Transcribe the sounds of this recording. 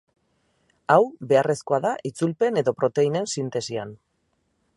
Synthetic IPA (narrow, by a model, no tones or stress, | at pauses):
awbe̞are̞sko̞aðaʔit͡sulpe̞ne̞ðo̞pɾo̞t̪e̞ine̞nsint̪e̞sian